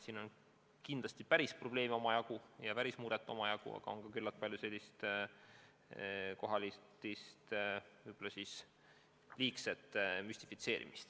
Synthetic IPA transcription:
siːno̞n | kind̪lɑst̪ipæɾispro̞b̥le̞ːmo̞mɑjɑkujɑvæɾismuːɾet̪ːˑo̞mɑjɑkṵɑ̰ɡ̥ɑ̰o̞ŋkɑkylːɑt̪̚pɑlʲjuse̞lʲːist̪ | ko̞ɦɑlʲit̪ːist̪vɯjbo̞lːɑsis | liːkset̪ˑːmysʲt̪ifit̪se̞ːɾʔḭmist̪

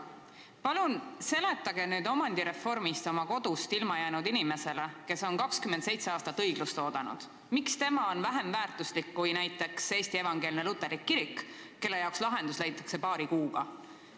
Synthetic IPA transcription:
pɑlunse̞le̞t̪ːˑɑɡ̥e̞nyːd̪o̞mɑnd̪iɾe̞fo̞rmist̪o̞mɑko̞d̪̥ust̪ilmɑjæːnud̪inime̞se̞leke̞so̞nkɑkskymːent̪se̞jt̪seɑːst̪ɑt̪ːɤjɡ̥lust̪o̞ːd̪̥ɑnṵd̪̥ | mikst̪e̞mɑo̞nvæɦe̞mvæːrt̪ˑuslikːujnæjt̪ːˑe̞kse̞ːst̪ie̞vɑŋɡ̥e̞ːlʲinelut̪ːˑeɾikːiɾikː | e̞lːe̞jɑˑokslɑɦe̞nd̪uslæjt̪ːˑɑ̥kse̞pɑːɾikuːɡ̥ɑ

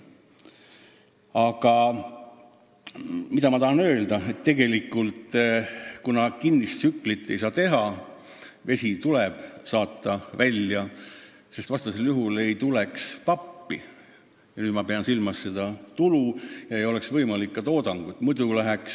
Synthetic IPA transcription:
ɑɡ̥ɑ | mit̪ɑmɑt̪ɑhɑnø̞ːld̪̥ɑe̞t̪ːe̞ɡe̞likːˑult̪ | kunɑkinːist̪sykːˑlit̪ːe̞jsɑːt̪e̞ɦɑ | ve̞sʲit̪uleb̥sɑːt̪ːˑɑvælʲjɑ | sest̪vɑst̪ɑse̞ljuɦule̞jt̪ulekspɑpːi | jɑnyːd̪mɑpe̞ɑnsilmɑsːe̞d̪̥ɑt̪ulujɑejo̞le̞ksvɤjmɑlikːɑt̪o̞ːd̪ɑŋɡ̥ut̪ːˑmud̪ulæɦeks

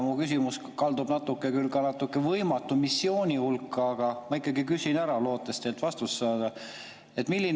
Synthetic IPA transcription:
mukys̬imus | kɑld̪ub̥nɑt̪ːˑukːˑekylkɑnɑt̪ːukːˑevɤjmɑt̪ːˑumisːio̞ːnʲihulkːɑːɡ̥ɑmɑikːˑɑɡikysinæɾɑlo̞ːt̪ːˑest̪elt̪vɑst̪usːɑːd̪̥ɑ | e̞t̪ːˑmilːin

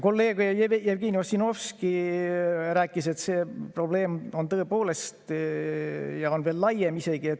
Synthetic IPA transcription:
ko̞lːe̞ːɡ̥ujɑjejevɡiːniosino̞fski | ræːkːˑise̞t̪se̞ːpro̞ble̞ːmo̞nt̪ɤ̞epo̞ːle̞st̪ | jɑo̞nve̞ːlːɑjemise̞ɡ̥ie̞t̪

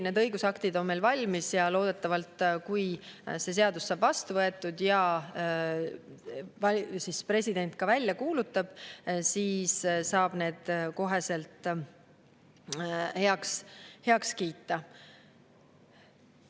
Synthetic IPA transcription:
ned̪ɤjɡusɑkt̪id̪o̞nme̞jlvɑlʲmisjɑlo̞ːd̪̥e̞t̪ːˑɑvɑlt̪kujse̞s̬e̞ɑd̪usːɑːb̥vɑst̪uvɤet̪ːˑud̪jɑ | vɑsispre̞sʲid̪̥e̞nt̪̚ˑkɑvælʲːjɑkuːlut̪ːˑɑb̥siːssɑːb̥ne̞ːd̪̥ko̞ɦe̞se̞lt̪ˑ | heɑkshe̞ɑkskiːt̪ˑːɑ

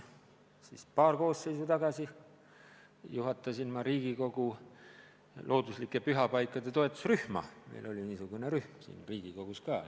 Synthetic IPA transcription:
sispɑːrko̞ːsse̞jsut̪ɑɡɑsi | juɦɑt̪ːˑɑsinmɑɾiːɡ̥iko̞ɡ̥u | lʔo̞ːd̪uslikːˑepyɦɑpɑjkːˑɑd̪̥e̞t̪o̞e̞t̪ːˑu̥sryhmɑ̰mḛjlʔo̞lʲiniːsuɡ̥uneɾyhmsḭːnriːɡ̥iko̞ɡ̥uskɑː

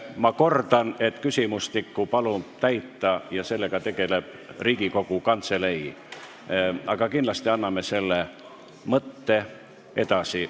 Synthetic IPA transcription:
mɑko̞rd̪ɑne̞t̪ˑkysʲimust̪ikˑːupɑlut̪æjt̪ːɑjɑse̞lːe̞ɡ̥ɑt̪e̞ɡ̥e̞le̞b̥ | riːɡ̥iko̞ɡ̥ukɑnt̪se̞le̞j | ʔɑɡ̥ɑkindlɑst̪iɑnːɑme̞se̞lːe | mɤt̪ːe̞ | e̞d̪̥ɑsi

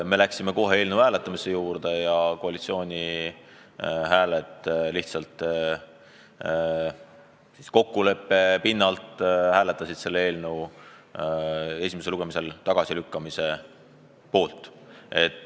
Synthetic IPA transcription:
me̞læksime̞ko̞ɦe̞e̞ːlnewhæːle̞t̪ːˑɑmise̞juːrd̪̥e̞jɑko̞ɑlʲit̪sio̞ːnʲi | ɦæːlet̪ːˑliht̪sɑlt̪ | si̥sko̞kːule̞pːe̞pinːɑlt̪hæːle̞t̪ːˑɑsid̪̥se̞lːee̞ːlnew | e̞sʲimeseluɡ̥e̞mise̞lt̪ɑɡ̥ɑsilykːɑmise̞ | po̞ːlt̪ˑ | e̞t̪ːˑ

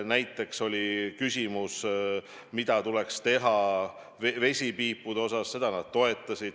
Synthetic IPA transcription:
næjt̪ːˑe̞kso̞lʲikysʲimus | mid̪̥ɑt̪ule̞kst̪e̞ɦɑ | vve̞sʲipiːpːˑud̪eo̞sɑsse̞d̪̥ɑnɑd̪̥̚t̪o̞e̞t̪ːˑɑsid̪̥

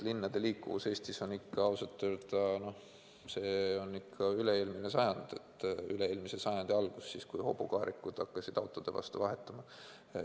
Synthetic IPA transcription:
linːɑd̪̥e̞liːkːˑuvuse̞ːsʲt̪iso̞nikːɑɑwsɑt̪ːˑyrt̪ɑno̞h | se̞ːo̞nːikʰːɑyleeːlminesɑjɑnd̪̥e̞t̪ːˑyle̞eːlmisesɑjɑnd̪̥iɑlɡ̥usːiskujho̞̰bukɑːɾʔikːˑud̪̥ɑkːɑsid̪ɑwt̪ːˑo̞d̪̥e̞vɑ̰st̪uvɑɦe̞t̪ːˑɑmɑ

